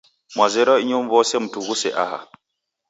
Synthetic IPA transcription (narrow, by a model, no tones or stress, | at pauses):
mwazɛɾɔiɲɔmvɔsɛmtuɡusɛʔa̰ha̰